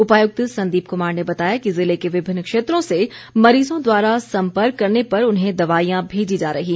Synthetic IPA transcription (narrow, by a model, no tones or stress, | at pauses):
ʊpaːjʊk̚t̪sɐ̃nd̪iːp̚kʊmaːɾnebɐt̪aːjakizɪlekeʋɪbʱɪ̃nːkʃeːt̪ɾõse | mɐɾiːzõd̪waːɾasɐ̃mpəɾkːɐɾnepɐɾʊnɦẽd̪ɐʋaːijãbʱeːd͡ʒid͡ʒaːɾɐɦiː